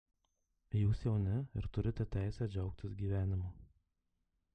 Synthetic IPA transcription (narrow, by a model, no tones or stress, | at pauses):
juːsjɛʊnʲɪɪ̰ɾt̪ʊɾʲɪt̪ʲɛt̪ʲæˑɪsʲɛːd͡ʒʲɛʊkt̪ʲɪsɡʲiːʋʲæːnʲɪmoː